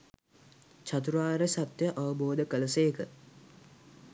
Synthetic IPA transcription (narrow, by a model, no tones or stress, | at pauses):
t͡ʃat̪̬uɾaːɾəsat̪jəʔaʋəboːd̪əkələseːkə